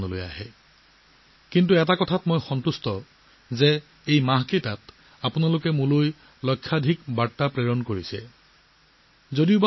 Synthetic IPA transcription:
nɔlo̰ja̰ɦɛ | kint̬uɛtakɔtʰatmojxɔntustɔ | zɛ | ejmaɦketat̚ | apʊnalʊkɛmũloj | lɔjkʰːadʱikbatːapɹeɹɔnkoɹisɛ | zodiʊb

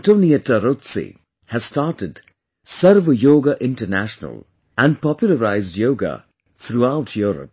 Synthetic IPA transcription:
ãntoːniətəɾot̪sḭ | hæzstaːɾʈɪd | sʌɾʋjoːɡaʔɪ̃nʈənæ̰ʃnə̰lˠ | ʔæ̃nɖpɔpjuləɾaɪzdjoːɡa̰ | t̪ʰɾuaʊʈʰjuːɾə̰p̚

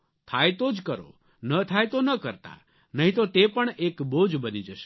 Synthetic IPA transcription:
t̪ʰajt̪od͡ʒkəɾo̰ | nət̪ʰajt̪onəkəɾt̪a̰ | nəɦĩt̪ot̪epəɳekbod͡ʒbənid͡ʒəʃe̥

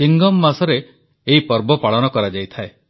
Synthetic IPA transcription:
iŋɡɔmːasɔɾeː | ɦipɔɾbɔpaɭɔnɔkɔɾad͡ʒajt̪ʰae

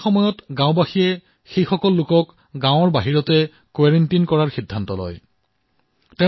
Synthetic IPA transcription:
xɔmɔjɔtɡãʊ̃baxijɛ | xejxɔkɔlːʊkɔk | ɡãʊ̃ɔɹbaɦiɹɔtɛ | kwaɹentinkɔɹaɹxidʱːantɔlɔ̰j | tɛ

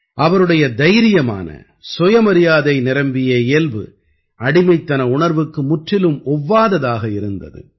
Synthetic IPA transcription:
ʔɐʋɐɾɯɽɐjɐd̪ɐjɾɪjɐma̰ːnɐ̰ | sɔjɐmɐɾɪjaːðɐɪnɪɾɐmbɪjɐeːlbɯ̰ | ɐɽɪmɐɪt̪ːɐnɐʊɳɐɾʋɯkːɯmʊʈrɪlɯmɔʋːaːðɐðaːɣɐɪɾɯnd̪ɐ̰ðɯ̰

